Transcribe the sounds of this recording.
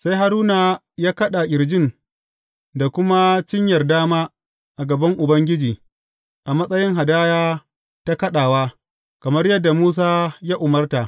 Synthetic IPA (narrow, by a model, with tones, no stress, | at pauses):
sa˦jɦa˦ɾuː˦na˨ | jaː˦kɐ˦ɗa˨ʔʲɪ˨ɾd͡ʒɪ˦˨n | da˨kʷʊ˦ma˦t͡ʃɪ˦ɲjɐ˨rdaː˦maː˦ | ʔa˨ɡɐ˨bɐ˦ŋʔʊ˨bɐ˦ŋɡʲɪ˦d͡ʒiː˨ | ʔa˨mɐ˦sʼɐ˦jɪ˦ŋɦa˨daː˦jaː˦ | ta˦kɐ˦ɗaː˨waː˦ | kɐ˨mɐ˦rjɐ˦dːa˨muː˦s̬aː˦jaː˦ʔʊ˨mɐ˦rta˨ʔ